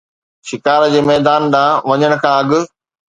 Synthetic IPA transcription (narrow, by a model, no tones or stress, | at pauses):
ʃɪkaːɾd͡ʑeːmɛːd̪aːnɗ̪ãːʋɐɲəɽ̃ʊ̆kʰãːɐɠʊ̆